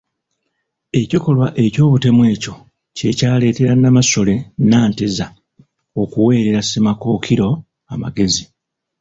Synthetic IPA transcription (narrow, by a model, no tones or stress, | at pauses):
e̞ciko̞lwaʔe̞co̞ːβute̞mwe̞ːco̞ | ce̞caːle̞ːte̞ɾanːamaso̞le̞naːnteza | o̞kuwe̞ːɾeɾasemako̞ːkʰiɾo̞ | ama̰ɡe̞zi